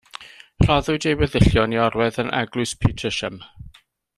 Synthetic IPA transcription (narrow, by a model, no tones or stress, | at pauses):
r̥ɔðʊɨdejwɛðɪɬjɔniɔɾwɛðənʔa̰ɡlˠʊspʰitʰəʃəm